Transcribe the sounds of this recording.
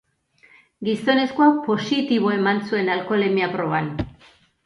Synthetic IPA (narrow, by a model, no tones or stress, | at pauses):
ɡiso̞ne̞skoakpo̞sit̪iβ̞o̞e̞mansue̞nalko̞lemiapɾo̞βan